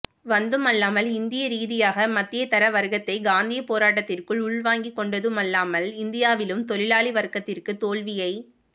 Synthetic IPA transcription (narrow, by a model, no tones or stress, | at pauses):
ʋɐnd̪ɯmɐlːaːmɐlɪnd̪ɪjɐɾiːðɪjaːɣɐmɐt̪ːɪjɐt̪ɐɾɐʋɐɾɣɐt̪ːɐɪɡaːnd̪ɪjɐpːoːɾaːʈ̬ːɐt̪ːɪrkɯɭʊɭʋaːŋɡikːɔɳɖɐðɯmɐlːaːmɐlɪnd̪ɪjaːʋɪlɯmt̪ɔlɪlaːɭiʋɐɾkɐt̪ːɪrkɯt̪oːɭʋɪjɐɪ